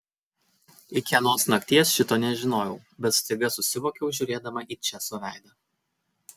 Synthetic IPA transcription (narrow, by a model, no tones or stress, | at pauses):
ɪkʲɛnoːsnɐkt̪ʲiɛsʃʲɪt̪oːnʲɛʒʲɪnoːjɛʊbʲɛt̪st̪ɐɪɡɐsʊsʲɪʋoːkʲɛʊʒʲuːɾʲeːd̪ɐmɐʔiːt͡ʃʲɛsoʋʲæɪd̪ɐ